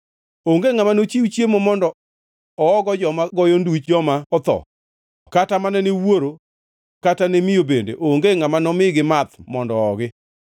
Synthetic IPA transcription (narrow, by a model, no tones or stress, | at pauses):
oŋɡeŋamanot͡ʃiwut͡ʃjemomɔndɔ | ɔːɡɔd͡ʒɔmaɡɔjɔndut͡ʃd͡ʒɔmaɔt̪ɔ̰ | katamanɛnewoɾo | katanemɪjobendḛʔoŋɡeŋamanɔmɪɡɪmat̪mɔndɔɔɡɪ